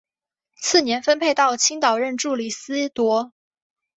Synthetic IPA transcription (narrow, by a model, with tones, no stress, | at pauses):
t͡sʰɹ̩˥˩njɛ˧˥nfə˥npʰe˥˧ɪt̪ɑ˥˩ʊt͡ɕʰi˥ŋt̪ɑ˨˩ʊɻə˥˧nʈ͡ʂu˥˩li˨˩sɹ̩˥t̪wɔ˧˥